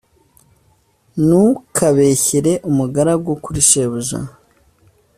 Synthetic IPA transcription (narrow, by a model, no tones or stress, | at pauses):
nukʰaβe̞çeɾe̞ʔumuɡaɾabɡokuɾiʃeβuʒa̰